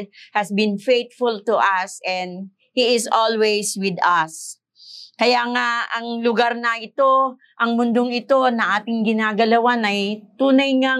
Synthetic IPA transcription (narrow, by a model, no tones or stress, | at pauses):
hɐsbɪ̃nfejt̪̚fʊlt̪ʊʔɐsɛ̃nd̪̚ | hiɪsolwejswɪd̪ɐs | kɐjaːŋaɐŋlʊɡaɾnɐʔɪt̪o̞ | ʔɐŋmʊnd̪oŋɪt̪o̞nɐʔaːt̪ɪŋɡɪnaːɡɐlɐwanɐjt̪uːnɐjŋa